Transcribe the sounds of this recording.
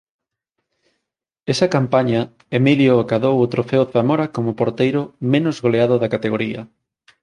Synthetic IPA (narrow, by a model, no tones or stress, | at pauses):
esɐkampaɲɐ | emiljoakaðowot̪ɾofeoθamoɾɐkomʊpoɾt̪ejɾʊmenʊzɣoleað̞ʊðɐkat̪eɣoɾiɐ